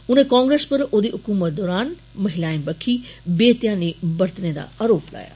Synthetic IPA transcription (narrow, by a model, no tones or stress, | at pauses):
ʊnẽːkãːŋɡɾeːspəɾoːd̪iːɦʊkuːmət̪̚d̪ɔːɾaːn | məɦɪlaːĩmbəkʰiːbeːt̪jãːneːbəɾt̪neːd̪a̰ːaːɾoːpla̰ːja̰ː